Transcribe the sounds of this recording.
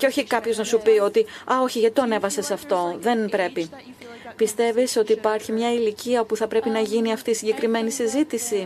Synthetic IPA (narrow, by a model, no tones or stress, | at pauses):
ceo̞çikɐpço̞znɐsupio̞t̪iɐo̞çiʝɐt̪i̥t̪oɐne̞vɐse̞sɐft̪o̞ðe̞npɾe̞pi | pist̪e̞viso̞t̪iːpɐɾçimɲɐiliciɐopuθɐpɾe̞pinɐʝiniɐft̪iːsiɲɟe̞kɾime̞nisizit̪isi